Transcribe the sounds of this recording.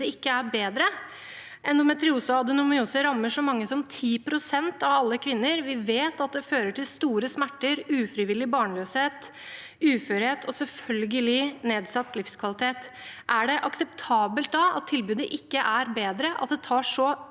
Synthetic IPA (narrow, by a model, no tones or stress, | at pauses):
əɪkːəæɾbeːd̪ɾə | ʔɛnd̪ɔmɛt̪əɾɪuːsəɑd̪ʉnʊmɪuːsəɾɑmːəʂɔmɑŋːəsɔmt̪ʰiːpʰɾʊsɛnt̪ɑʋɑlːəkʰʋɪnːəɾʋɪʋeːt̪ɑt̪̚d̪ɛføːɾəʈʰɪlst̪uːɾəsmæʈːəɾʉːfɾɪʋɪlːɪbɑːɳəløːsheːt̪ | ʉːfœːɾheːt̪ʰɔsɛlfœlɡəlɪneːd̪sɑt̪ːlɪfskʰʋɑlɪt̪ʰeːt̪ʔæɖɛʔɑksɛpt̪ʰɑːbəlt̪̚d̪ɑɑ̰t̪ʰːɪlbʉːd̪əʔɪkːəʔæɾbeːd̪ɾəʔɑ̰t̪̚d̪ɛt̪ʰɑːʂɔ